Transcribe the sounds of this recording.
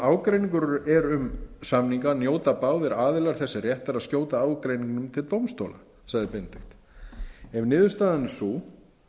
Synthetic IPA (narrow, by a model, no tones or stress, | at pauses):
aːwkɾejniŋk̬ʏɾʏʔɛɾʏmsamniŋkanjoːwt̪apaːwðɪɾaːðɪlaɾ̥θɛsːɪrjɛht̪aɾaðskcjoːwt̪aaːwkɾejniŋknʏmt̪ʰɪlt̪owmst̪o̰wla̰ | saɣðɪpent̪ext̪ | ɛvnɪːðʏst̪aːðanːʏsu